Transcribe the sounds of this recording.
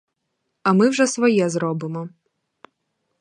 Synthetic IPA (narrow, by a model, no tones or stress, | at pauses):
ɐmɪwʒɛsʋɔjɛzɾɔbɪmɔ